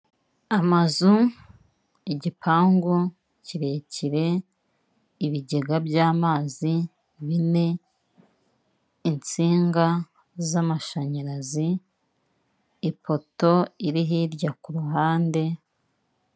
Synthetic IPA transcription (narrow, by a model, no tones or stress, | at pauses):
amazu | iɟipʰaːŋɡu | ciɾe̞ciɾe̞ | iβiɟe̞ɡabjaːmaːzi | βine̞ | int͡siːŋɡa | zamaʃaɲaɾazi | po̞to̞iɾiɦiɾɟakuɾuɦaːnde̞